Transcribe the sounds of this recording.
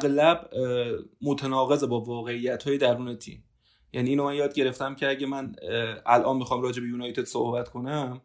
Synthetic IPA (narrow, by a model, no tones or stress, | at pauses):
æʁlæb | mot̪ʰenɒːɣe̞ze̞bɒːvɒːɣe̞ijːæt̪ʰhɒːjed̪æɾuːne̞t̪ʰḭːm | jæniːnomænjɒːd̪̚ɟe̞ɾe̞ft̪æmcʰeæɟemænʔælʔɒːnmixɒːmɾɒːd͡ʒe̞be̞junɒjt̪ed̪̥sohbæt̪kʰo̞næm